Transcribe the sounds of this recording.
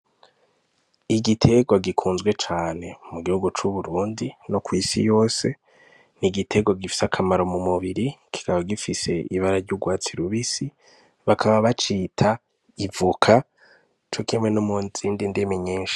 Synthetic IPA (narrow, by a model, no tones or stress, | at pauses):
iɡitʰe̞ɡwaɡikʰuːnzɡwe̞t͡ʃaːne̞muɡihuɡut͡ʃuβuɾuːndino̞kwiːsḭjo̞ːse̞ | niɡitʰe̞ɡwaɡifi̥sakʰamaɾo̞mumuβiɾiki̥kaβaɡifise̞iβaɾaɾɟuɡwaːt͡siɾuβisi | βakʰaβaβat͡ʃitʰa | ivukʰa | t͡ʃo̞kimŋwenumunz̥iːndindemeɲiːnʃḁ